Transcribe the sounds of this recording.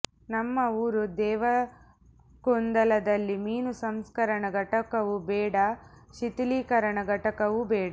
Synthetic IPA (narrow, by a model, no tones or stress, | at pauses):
nɐmːɐuːɾud̪ɛːʋɐ | kond̪ɐlɐd̪ɐlːimiːnusɐmskɐɾɐɳɐɡʱɐʈɐkɐʋubɛːɽɐ | ʃit̪iliːkɐɾɐɳɐɡʱɐʈɐkɐʋubɛːɽɐ